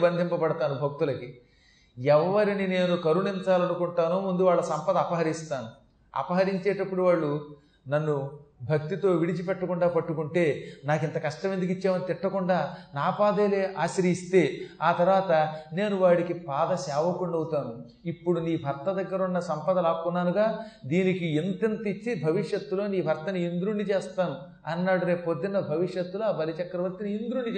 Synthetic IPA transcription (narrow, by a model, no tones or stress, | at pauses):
bɐnd̪ʱimpɐpɐɽɐt̪aːnubʱɐk̚t̪ulɐki | ɛʋːɐɾinine̞ːnukɐɾunint͡ʃaːlɐnukuɳʈaːnoːmund̪uʋaːɭːɐsɐmpɐd̪ɐːpɐɦɐɾist̪aːnu | ɐ̰pɐɦɐɾiɲt͡ʃɛːʈɐpːuɽuʋaːɭːu | nɐnːubʱɐk̚t̪it̪o̞ːʋiɽit͡ʃipɛʈːɐkuɳɖaːpɐʈːukuɳʈe̞ːnaːkint̪ɐkɐʂʈɐʋend̪uk̬it͡ʃːaːmɐnit̪iʈːɐkuɳɖaːnaːpaːd̪eːle̞ːʔaːsiɾst̪e̞ːaːt̪ɐɾʋaːt̪ɐne̞ːnuʋaːɽikipaːd̪ɐsɛːʋɐkuɳɖɐwut̪aːnu | ipːuɽuniːbʱɐɾt̪ɐd̪ɐɡːɐɾunːɐsɐmpɐd̪ɐlaːkunːaːnuɡaːd̪iːnikient̪int̪it͡ʃːibʱɐʋiʂjɐt̪ːuloːniːbʱɐɾt̪ɐniind̪ɾuɳːit͡ʃeːst̪aːnu | ɐnːaːɽuɾe̞ːpod̪ːinɐbʱɐʋiʂjɐt̪ːuloabɐlit͡ʃɐkːɐɾɐʋɐɾt̪iniind̪ɾuːɳɖit͡ʃː